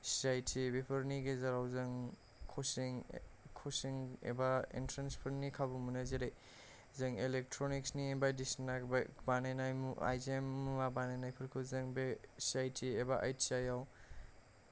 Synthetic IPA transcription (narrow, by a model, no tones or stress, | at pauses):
sajtʰibepʰɯɾniɡezaɾawzɯŋ | kʰosiŋkʰosiŋḛbaḭntɾanspʰɐɾnikʰabumunazeɾej | zɯŋelek̚tʰɾonik̚sniebadisnabbanenajmua̰jzemːumabanenajpʰɯɾkʰɯzɯŋbesajtʰiebaʔa̰jtʰiajaw